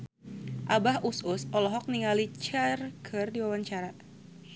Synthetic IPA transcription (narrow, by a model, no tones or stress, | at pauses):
ʔabahʔusʊsɔlɔɦɔk̚niŋalit͡ʃarkʰɨrdiwawaɲt͡ʃaɾa